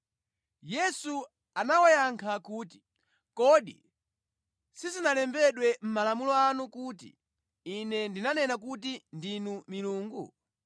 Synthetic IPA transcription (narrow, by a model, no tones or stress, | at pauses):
jɛsu | anawajaŋkʰakuːti̥ | kɔɗḭ | sizinalɛmbɛɗwɛm̩malamulɔanukuːtḭː | nɛndinanɛnak̬utindinumiluːŋɡu